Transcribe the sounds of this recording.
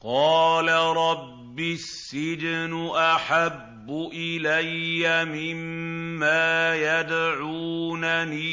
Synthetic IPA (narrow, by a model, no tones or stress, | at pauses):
qɑːlaɾˤɑbːɪsːɪd͡ʒnʊʔaħabːʊʔɪlajːamɪmːaːjad̪ʕuːnaniː